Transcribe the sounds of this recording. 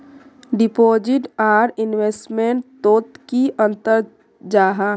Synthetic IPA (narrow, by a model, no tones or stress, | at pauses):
ɖɪpoːd͡ʒɪʈaːɾɪnʋeːsʈmẽɳʈt̪oːt̪kiʔə̃nt̪əɾ | d͡ʒaːɦa